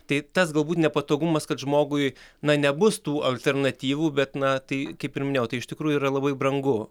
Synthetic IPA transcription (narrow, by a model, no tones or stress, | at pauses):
t̪ɐɪt̪ɐsɡɐlˠbuːt̪ʲnʲɛpɐt̪oːɡʊmɐskɐt̪ʒmoːɡʊɪnɐnʲɛbʊst̪uːʔɐlʲt̪ʲɛrnɐt̪ʲiːʋuːbʲɛt̪nɐt̪ɐɪkɐɪpɪrmʲɪnʲeːjɛʊt̪ɐɪʃt̪ʲɪkɾuːjuiːɾɐlˠɐbɐɪbrɐŋɡʊ